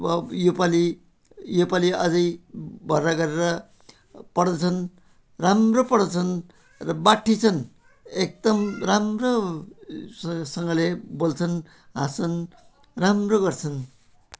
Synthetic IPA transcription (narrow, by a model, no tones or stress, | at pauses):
ʌjupali | jopaliʌd͡zʌjbʱʌraɡʌɾeɾʌ | pʌɽd̪ʌt͡sʰʌn | ramropʌɽd̪ʌt͡sʰʌn | rʌbaʈʰːit͡sʰʌn | ek̚d̪ʌmramro | sʌŋɡʌlebolt͡sʰʌn | ɦãt͡sʌn | ramroɡʌrt͡sʰʌn